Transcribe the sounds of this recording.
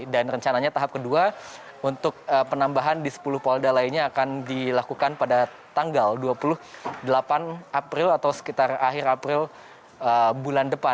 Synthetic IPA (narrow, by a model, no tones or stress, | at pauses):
danrəɲt͡ʃanaɲat̪aɦap̚kədua | unt̪ʊk̚əpənambaɦandisə̥pulʊhpaldalainɲaːkandilakukanpada | t̪aŋɡalduapulʊhdəlapanʔapɾɪlat̪awsə̥kit̪araɦɪrapɾɪl | əbulandəpa